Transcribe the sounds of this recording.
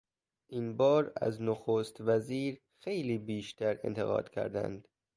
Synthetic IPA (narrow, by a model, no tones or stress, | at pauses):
ʔiːnbɒːɾæ̰znoxoːst̪væziːɾ | xe̞jliːbiːʃt̪ʰæɾḛnt̪ʰeɣɒ̰ːd̪̥cʲʰæ̰ɾd̪æ̰nd̪